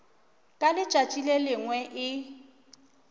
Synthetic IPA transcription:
kʼalɪt͡ʃʼat͡ʃʼilelɪŋwɛʔɪ

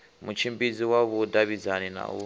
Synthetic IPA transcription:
mut͡ʃʰimbid͡ziwaβudaβid͡zanina̰ṵ

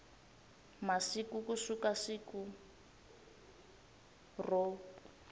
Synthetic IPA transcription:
masikukusukasiku | rɔ

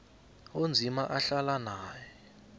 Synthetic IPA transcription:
ond͡zʱimaʔaɬalanaːjɛ

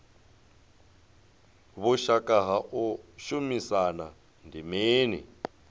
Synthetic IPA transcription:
βuʃakʼaɦaʔuʃumisana | ndimeːnḭ

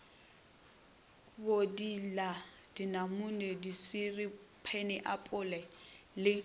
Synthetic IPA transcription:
bodilad̥inamunɛdiswiripʰɛnɪʔapʼʊlɛlɪ

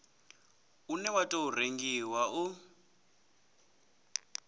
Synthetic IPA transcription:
unɛwatʼoureŋɡiwau

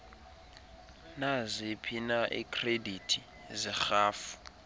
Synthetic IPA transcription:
nazepʰinaʔikʰʼreditʰi | zixaːfu̥

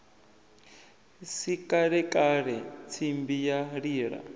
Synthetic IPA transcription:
sikʼaɺɛkʼaɺɛt͡sʰimbijaɺiːɺa̰

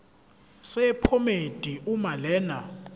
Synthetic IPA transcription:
sɛpʰomed̥ʼʱiʔumalɛːna̰

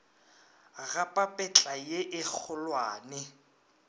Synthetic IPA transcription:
ɣapʼapʼɛt͡ɬʼajeʔɪk͡xʰʊlwaːnɪ

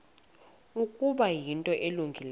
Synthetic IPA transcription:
ukʼuɓajintʼɔʔeluŋɡʱil

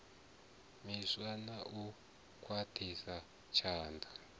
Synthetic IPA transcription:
miswanaʔu | kʼwatʰisa | t͡ʃʰaːndʱḁ

